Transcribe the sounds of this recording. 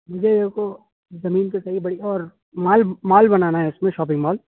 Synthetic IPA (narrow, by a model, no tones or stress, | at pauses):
mʊd͡ʒʱeko | zɐmiːnkesɐɦibɐɽiɔːɾ | maːlmaːlbɐnaːnaɦɛʊsmẽʃɔːp̬ɪ̃ŋɡmɔːl